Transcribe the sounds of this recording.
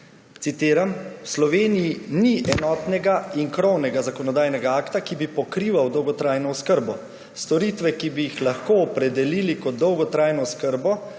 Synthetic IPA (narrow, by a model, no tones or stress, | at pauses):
t̪sit̪eːɾamwslɔʋeːnijiniʔɛnɔːt̪nɛɡaiŋkɾɔwnɛɡazakɔnɔd̪aːjnɛɡaaːkt̪akibipɔkɾiʋawd̪ɔwɡɔt̪ɾaːjnɔɔskəɾbɔ | st̪ɔɾit̪ʋɛkibijixlaxkoɔpɾɛd̪ɛliːlikɔd̪̚d̪ɔwɡɔt̪ɾaːjnɔskəɾbɔ